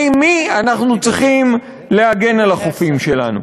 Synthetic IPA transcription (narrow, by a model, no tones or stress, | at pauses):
mianaχnut͡sʁiχim | le̞aɡe̞nalaχofimʃe̞la̰nṵ